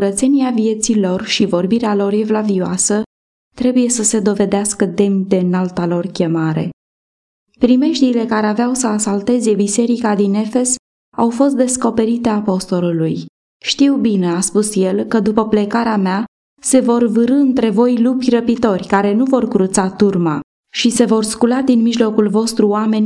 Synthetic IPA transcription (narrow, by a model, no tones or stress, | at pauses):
uɾət̪se̞niavie̞t̪silo̞rʃivo̞rbiɾealo̞ɾe̞vlavioasə | t̪ɾe̞buje̞səse̞d̪o̞ve̞d̪easkəd̪e̞md̪e̞nalt̪alo̞rkʲe̞maɾe̞̰ | pɾime̞ʃt̪iːle̞kaɾe̞aveawsəasalt̪e̞ze̞bise̞ɾikad̪ine̞fe̞s | awfo̞st̪̚d̪e̞sko̞pe̞ɾit̪e̞apo̞st̪o̞luluj | ʃt̪iwbine̞aspusjelkəd̪upəple̞kaɾeamea | se̞vo̞rvɨɾɨɨnt̪ɾe̞vo̞jlupʲrəpit̪o̞rʲkaɾe̞nuvo̞rkɾut̪sat̪urma | ʃise̞vo̞rskulad̪inmiʒlo̞kulvo̞st̪ɾuoame̞nʲ